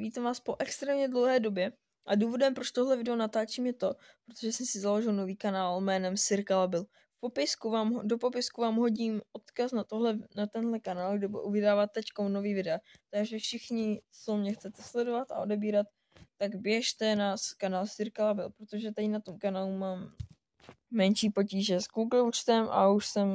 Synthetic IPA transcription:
viːt̪amvaːspo̞ʔɛkst̪ɾɛːmɲɛdlo̞wɦɛːdo̞bjɛ | ʔaduːvo̞dɛmpɾot͡ʃt̪o̞ɦlɛvɪdɛonat̪aːt͡ʃiːmjɛt̪o̞ | pɾot̪oʒɛsɛmsɪzalo̞ʒɪlno̞viːkanaːlmɛːnɛmsɪɾkalabɪl | fpo̞pɪskuvaːmɦdo̞po̞pɪskuvaːmɦo̞ɟiːmʔo̞t̪kasnat̪oɦlɛnat̪ɛnɦlɛkanaːlɡdɪbuɛ̰ʔuvɪdaːvat̪ːɛckonnoviːvɪdɛat̪aɡʒɛfʃɪxɲɪt͡somɲɛxt͡sɛt̪ɛslɛdo̞vat̪a̰ʔo̞dɛbiːɾat̪ː | aɡbjɛʃt̪ɛnaskanaːlsɪɾkalabɪlpɾo̞t̪o̞ʒɛt̪adɪnat̪o̞mkanaːlumaːm | ɛnʃiːpo̞ciːʒɛsɡuɡlut͡ʃt̪ɛmʔa̰uʃsɛm

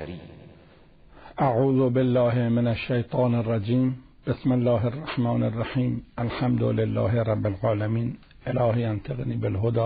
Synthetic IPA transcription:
ʔaʕuːðʊbɪlːaːhmɪnaʃːajt̪ˤɑːnɪrˤːɑd͡ʒiːm | b̥ɪsmɪlːaːɦɪrˤːɑħmaːnarˤːɑħiːmʔalħamd̪ʊlɪlːa̰ːɦɾˤɑbːɪlʕaːlamiːn | ʔɪlaːhjant̪ʰɑɣniːbɪlɦʊd̪ɑː

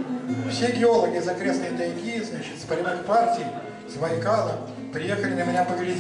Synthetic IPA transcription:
fsʲeɡʲɪolˠəɡʲɪɪzɐkɾʲesnəjt̪ɐjɡʲiɪznat͡ɕɪ̥t̪spɐɾʲinɨxpartʲɪj | svɐjkalˠə̰ | pɾʲɪjexəlʲɪnəmʲɪnʲapəɡɾʲɪdʲ

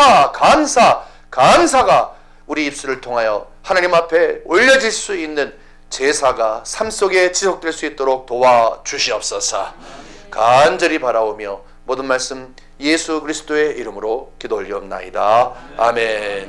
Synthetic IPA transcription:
akamsʰa | kamsʰaɡa | uɾiːp̚s͈uɾɯɭtʰoŋɦajʌ | hanaɲimɦapʰe̞oʎːʌd͡ʑiɭs͈uinːɯn | t͡ɕe̞sʰaɡasʰams͈oɡe̞t͡ɕisʰok̚t͈weɭs͈uit̚t͈oɾok̚towat͡ɕuɕʰiʌp̚s͈ʌsʰa̰ | kand͡ʑʌɾipaɾabomjʌ | modɯnmaɭs͈ɯm | je̞sʰukɯɾisʰɯ̥t͈oe̞ʔiɾɯmɯɾokidoʎːiʌmnːa̰idaamen

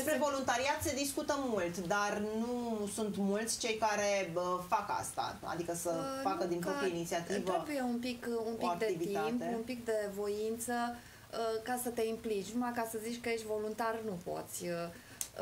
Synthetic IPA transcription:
d̪espɾevo̞lunt̪aɾiat̪ssed̪iskut̪əmult̪d̪arnusunt̪mult̪sʲt͡ʃe̞jkaɾeəfaka̰st̪a̰a̰d̪ikəsəfakəd̪inpɾoieinit̪siat̪itvəɾebujeunpikuniakd̪eitvit̪t̪aimp̪eunpikd̪e̞vo̞int̪sə | əkasət̪e̞implit͡ʃnumakasəzit͡ʃʲkəjeʃt̪ʲvo̞lunt̪arnupo̞̰t̪sʲə

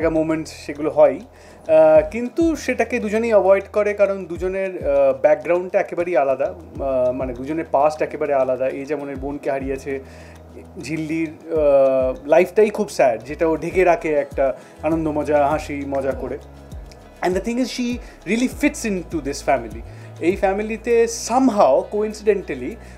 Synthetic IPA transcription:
ɡamomeɳʈʃeɡuloɦɔej | kint̪uʃeʈaked̪ud͡ʑonejəbɔjɖkoɾekaɾond̪ud͡ʑoneɾbɛk̚ɡɾaw̃ɳɖ̚ʈaɛkebaɾijalad̪a | maned̪ud͡ʑoneɾpasʈɛkebaɾealad̪aʔed͡ʑɛmoneɾbonkeɦaɾijat͡ɕʰe | d͡ʑʱilːiɾ | lajfʈaikʰubsɛɖd͡ʑeʈaoɖʱeɡeɾakʰeɛk̚ʈa | anond̪omɔd͡ʑaɦãʃimɔd͡ʑakoɾe | ɛ̃nɖd̪ət̪ʰĩŋɪzʃiɾiəlifiʈsɪ̃nʈud̪ɪsfæmili | ejfɛmilit̪esɐmɦaokoĩnsiɖeɳʈəli

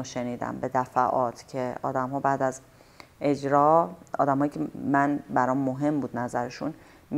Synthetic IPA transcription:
ʃe̞niːd̪æ̰mbe̞d̪æfæʔɒːt̪ʰcʰe̞ɒ̰ːd̪æmɦɒːbæd̪æz | ʔe̞d͡ʒɾɒːɒ̰ːd̪æmɦɒːjiːcʰemænbæɾɒːmːoɦe̞mbuːd̪næzæɾeʃun | m

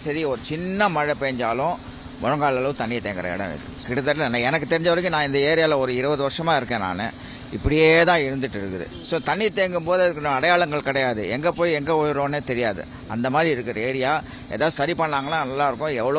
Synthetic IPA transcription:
sɐɾiɔɾɯt͡ʃɪnːɐmɐɻɐpeɐɲd͡ʒaːlʊ̃ | mɔɻɐŋɡaːɭɐlɐʋɯ̃t̪ɐɳːɪjt̪eːŋɡɪɾɐ̰ɛ̰ɽɐ̰̃mɪ̰ɾɯ̰kɪɽɯðɐɾlɐnaɛnɐk̬ːɯt̪ɛɾɪɲd͡ʒɐʋɐɾkːɯnãːɪnd̪ɐeːɾɪjaːlɐɔɾɯɪɾɯʋɐðɯʋɐɾʂɐmaːɪɾɯkːẽːna̰ːnɯ̰ | ɪpːɐɽɪjeːt̪ãːɪɻɯnd̪ɯʈːɪɾɯkːɯ̰ðɯ̰ | soːt̪ɐɳːit̪eːŋɡɯmpoːðɯɐðɯkːnɐɽɐjaːɭɐŋɡɐɭkɪɽɐjaːðɯɛ̰ŋɡɐpoːjɛŋɡeɔjɾõːneːt̪ɛɾɪjaːðɯ̰ | ɐ̰nd̪ɐmaːd̪ɾiɪɾɯkːɯɾɐeːɾɪjaː | ɛḛːðaːðɯsɐɾipɐɳːaːŋɡɐnːaːnɐlːaːɪɾɯkːʊ̃ɛʋːɐɭɐ

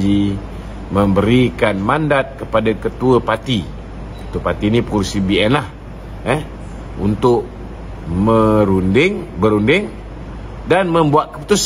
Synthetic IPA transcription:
d͡ʒi | məmbəɾikanmandat̪̚kəpadakət̪uəpat̪i | kə̥t̪uəpat̪inipəkursibiɛnlah | ɛ | ṵnt̪ʊʔ | məɾundɪŋbəɾundɪŋ | danməmbuaʔ̪̚kəput̪us

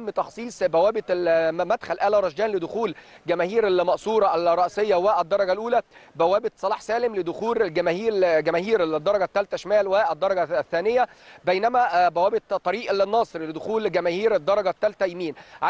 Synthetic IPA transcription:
mːt̪ɑxsˤiːsˤbæwæːbɪt̪mæd̪xælʔæːlæɾˤɑʃd͡ʒæːnlɪd̪ʊxuːlɡæmæːhiːɾælmɑʔsˤuːɾˤɑʔælrˤːɑʔsejːɑwɪʔæd̪ːɑɾˤɑɡælʔuːlæbæwæːbɪt̪sˤɑlɑːħsæːlɪmlɪd̪ʊxuːllɡæmæːhiːɾɡæmæːhiːɾd̪ˤːɑɾˤɑɡæt̪ːælt̪æʃmæːlwɪʔæd̪ːɑɾˤɑɡæθːæːnɪjːæbejnæmæbæwæːbɪt̪t̪ˤːɑɾiːʔlnːɑːsˤɨɾlɪd̪ʊxuːlɡæmæːhiːɾɪd̪ˤːɑɾˤɑɡæt̪ːælt̪æjmiːnʕa

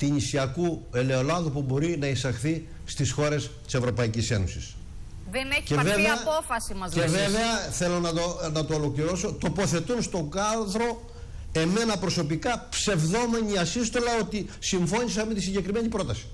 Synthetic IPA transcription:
t̪inisiɐkue̞le̞o̞lɐðupubo̞ɾinɐisɐxθi | st̪isxo̞ɾe̞st̪i̥se̞vɾo̞pɐicise̞̰nosis | ðeneçcevevɐpofɐsimɐzeveve̞ɐθe̞lo̞nɐonɐt̪oːlo̞kliɾo̞so̞t̪o̞po̞θe̞t̪unst̪o̞ɡɐðɾo̞ | e̞me̞nɐpɾo̞so̞pikɐpse̞vðo̞me̞ɲiɐsist̪o̞lɐo̞t̪isiɱfo̞ɲis̬ɐmet̪isiɲɟekɾime̞ɲipɾo̞t̪ɐsi̥

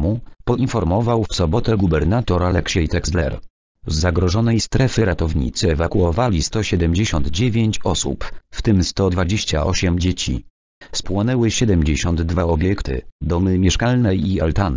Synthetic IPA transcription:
mupɔinfɔɾmɔvawfsɔbɔt̪ɛɡubɛɾnat̪ɔɾalɛkɕɛjt̪ɛkslɛ̰ɾ | zːaɡɾɔʐɔnɛjst̪ɾɛfɘɾat̪ɔvɲḭt̪sɘɛvakuɔvalʲist̪ɔɕɛd̪ɛmd͡ʑeɕɔnd̪d͡ʑevʲjeɲt͡ɕɔsṵpft̪ɘmst̪ɔd̪vad͡ʑeɕt͡ɕaɔɕɛmd͡ʑet͡ɕḭ | spwɔnɛwɘɕɛd̪ɛmd͡ʑeɕɔnd̪d̪vaɔbʲjɛkt̪ɘ̰d̪ɔmɘmʲjɛʂkalnɛialt̪an

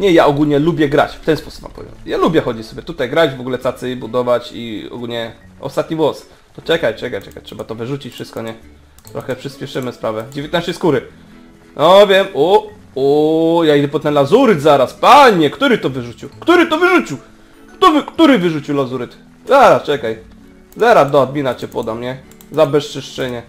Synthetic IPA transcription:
ɲɛjaʔɔɡulɲɛlubʲjɛɡɾa̰t͡ɕft̪ɛnspɔsu̥pma̰mpɔ̰vʲjɔ̰nt̪jalubʲjɛxɔd͡ʑisɔbʲjɛt̪ut̪ajɡɾad͡ʑvɔɡulɛt̪at̪sɘbud̪ɔvat͡ɕḭɔ̰ɡulɲɛ | ɔ̰st̪at̪ɲivwɔs | t̪ɔt͡ʂɛkajt͡ʂɛkajt͡ʂɛkajtʂɛbat̪ɔvɘʐut͡ɕit͡ɕfʂɘst̪̚kɔɲɛ | t̪ɾʔɔxɛpʂɘspʲjɛʂɘmɘspɾavɛd͡ʑevʲjt̪naʃɕɛjskuɾɘ | nʔɔvʲjɛmu | ujaid̪ɛpɔt̪nɛlazuɾɘt̪zaɾaspaɲɛkt̪uɾɘt̪ɔvɘʐut͡ɕiwkt̪uɾɘt̪ɔvɘʐut͡ɕiw | kt̪ɔvɘkt̪uɾɘvɘʐut͡ɕiwlazuɾɘt̪ | zaɾast͡ʂɛkaj | zaɾad̪ɔɔd̪̚mʲinat͡ɕɛpɔd̪amɲɛ | zabɛʂt͡ʂɛʂt͡ʂɛɲɛ

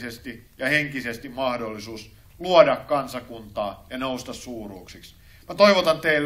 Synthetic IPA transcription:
sest̪i | jɑheŋkisest̪immɑhdolːisuːs | luodɑkkɑnsɑkunt̪ɑːjɑnoust̪ɑssuːruːksiks | mæt̪oiʋot̪ɑnt̪eil

